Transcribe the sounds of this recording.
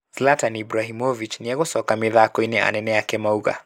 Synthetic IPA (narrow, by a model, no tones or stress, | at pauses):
slatanibɾaɦimɔvit͡ʃniɛɣɔsɔkamiðakɔinɛa̰nɛnɛakɛmauɣa̰